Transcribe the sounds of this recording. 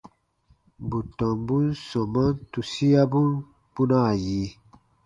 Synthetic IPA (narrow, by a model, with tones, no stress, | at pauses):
bu˨tɔ˨mbu˦n̩˦sɔ˨ma˦n˦tu˨si˦ja˦bu˦n | b̥u˦na˦˨ji˨˦